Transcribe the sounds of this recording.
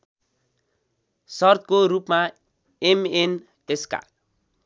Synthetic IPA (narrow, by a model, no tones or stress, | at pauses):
sʌrt̪̚koɾupma | emen | eska̰l